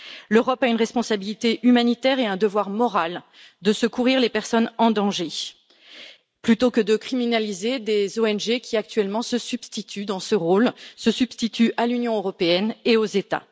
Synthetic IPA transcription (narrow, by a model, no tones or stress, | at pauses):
løʁɔpaynʁɛspɔ̃sabilit̪eʔymanit̪ɛʁeɛ̃d̪əvwaʁmɔʁal | d̪əsəkuʁiʁlepɛʁsɔnɑ̃d̪ɑ̃ʒe | plyt̪okəd̪əkχiminalized̪ezoɛnʒekʲiak̚t̪ɥɛlmɑ̃səsyb̥st̪it̪ʰyd̪ɑ̃səʁolsəsyb̥st̪it̪ʰyʔalynjɔ̃øʁɔpeɛneozet̪a̰